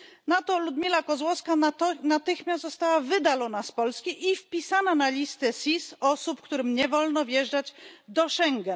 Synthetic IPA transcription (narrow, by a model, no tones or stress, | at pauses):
nat̪ɔlud̪mʲilakɔzwɔfskanat̪ɘxmʲjast̪zɔst̪awavɘd̪alɔnaspɔlskʲiʔifpʲisananalʲist̪ɛsʲisɔsupkt̪uɾɘmɲɛvɔlnɔvjɛʐd͡ʐad͡ʑd̪ɔʂɛŋɡɛn